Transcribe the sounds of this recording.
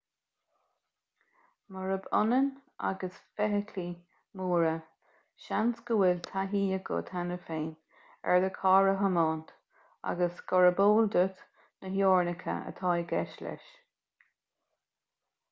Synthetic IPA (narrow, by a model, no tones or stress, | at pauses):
məɹəbʊnənʔa̰ɡəsfɛɦəkʰli | muːɹə | ʃansɡəwɪlt̪ʰaɦiːəɡʊ̰t̪ʰanəfeːn | ɛ̰ɹðəkʰɑːɹəɦəmɑːnt̪ | a̰ɡəsɡɔɹəboːld̪ʊt̪ | nəɦjoːɹnəkʰə̰ə̰t̪ʰɑːjɡɛʃlɛ̰ʃ